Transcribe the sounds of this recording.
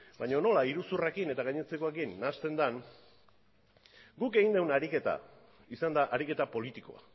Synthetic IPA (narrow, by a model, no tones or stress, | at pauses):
baɲo̞no̞laiɾusurekine̞t̪aɣajɲet͡sekoekinːast̪e̞nd̪an | ɡuke̞ɣind̪ewnaɾike̞t̪a̰ | isand̪aʔaɾike̞t̪apo̞lit̪iko̞̰a̰